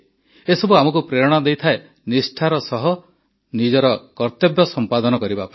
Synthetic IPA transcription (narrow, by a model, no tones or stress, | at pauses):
esɔbuamɔk̬upɾeɾɔɽ̃ɔd̪ejt̪ʰae | nisʈʰaɾɔsɔɦɔ | nid͡ʒɔɾɔkɔɾt̪ebjɔsɔmpad̪ɔnɔkɔɾibap